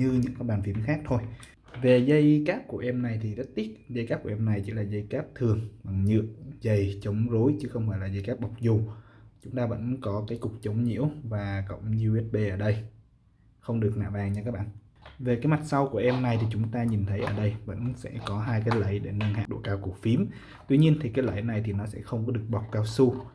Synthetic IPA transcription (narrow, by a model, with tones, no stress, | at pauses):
ɲɨ˧ɲɨ̰˧˥ŋkaː˨˦jɓaː˨˩nfi˧˩əmxaː˦˥k̚t̪ʰo˧j | ve˨˩zə˧jkaː˦˥p̚ku˧˩əʔɛ˧mna˨˩jt̪ʰi˨˩zə˦˥t̚t̪i˦˥t̚zə˧jkaː˦˥p̚ku˧˩˨ʔɛ˧mna˨˩jt͡ɕḭ˧˥laː˨˩zə˧jkaː˦˥p̚t̪ʰɨ˨˩əŋɓa˨˩ŋɲɨ̰˧˨əzə˨˩jt͡ɕə˨˦wŋ͡mzo˨˦jt͡ɕɨ˨˦xə˧wŋ͡mfaː˧˩jlaː˨˩zə˧jkaː˦˥p̚ɓa˨˩wk͡p̚zu˨˩t͡ɕʊ˨˦ŋ͡mt̪aː˧və̰˧˥nkɔ˨˦kaː˨˦jkʊ˨˩k͡p̚t͡ɕə˨˦wŋ͡mɲḭ˧˥əwvaː˨˩kə̰˧˨wŋ͡mzu˧ʔɛ˦˥t̚ɓe˧ʔəː˧˩ɗə˧j | xə˧wŋ͡mɗɨ˨˩ək̚na̰ː˧˨ɓaː˨˩ŋɲaː˧kaː˦˥k̚ɓa̰ː˧˨ | ve˨˩kaː˨˦jma˨˩t̚sa˧wku˧˩əʔɛ˧mna˨˩jt̪ʰi˨˩t͡ɕʊ˨˦ŋ͡mt̪aː˧ɲi˨˩nt̪ʰə˨˦jʔəː˧˩ɗə˧jvə̰˧˥nsɛ̰˧˥kɔ˨˦ɦaː˧jkaː˨˦jlə̰˧˨˩jɗe˧˩nə˧ŋha̰ː˧˩ɗo̰˧˩kaː˧wku˧˩k̚fi˨˦əm | t̪wi˧ɲi˧ənt̪ʰi˨˩kaː˨˦lə̰˧˨jna˨˩jt̪ʰi˨˩nɔ˨˦sɛ̰˧˥xə˧wŋ͡mkɔ˨˦ɗɨ˨˩ək̚ɓa˨˩wk͡p̚kaː˧wsu˧